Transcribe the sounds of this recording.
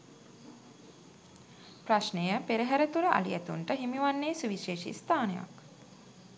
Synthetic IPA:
praʃnejəpeɾəɦæɾət̪uɾəʔa̰lijæt̪uɳʈəɦimiʋanːeːsuʋiʃeːʃḭst̪aːneja̰k

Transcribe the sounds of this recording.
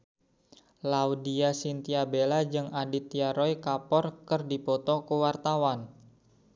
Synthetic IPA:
laudiasint̪iabelad͡ʒɨŋadit̪iaɾɔjkapɔrkərdipɔt̪ɔkuwart̪awan

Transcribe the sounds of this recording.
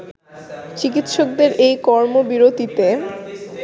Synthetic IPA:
t͡ɕik̬it̪ʃok̚d̪eɾʔejkɔɾmobiɾod̪it̪e

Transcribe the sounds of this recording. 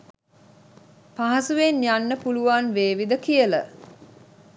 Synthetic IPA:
paɦɐsuʋenjanːəpuluʋanʋeːʋid̪əkijələ̰

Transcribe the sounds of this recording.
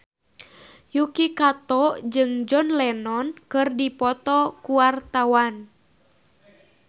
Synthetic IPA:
jukikat̪ɔd͡ʒɨŋd͡ʒɔnlɛnɔnkɨrdipɔt̪ɔkuwart̪awan

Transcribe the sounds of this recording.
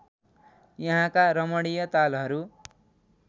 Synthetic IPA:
jʌɦãkaɾʌmʌɽijʌt̪alɦʌɾu

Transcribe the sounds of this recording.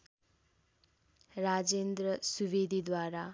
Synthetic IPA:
rad͡zend̪rʌsubid̪ʱid̪waɾa

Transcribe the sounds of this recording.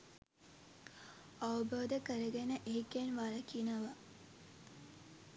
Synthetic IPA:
aʋəbʱoʋd̪əkəɾəɡenəʔekenʋaːɾɐkinəʋa

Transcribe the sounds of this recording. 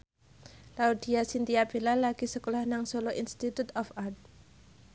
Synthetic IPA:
laud̪̥i̤asint̪iab̥elalaɡ̥i̤səkolahnaŋsoloʔinst̪it̪ut̪ɔfart̪̚

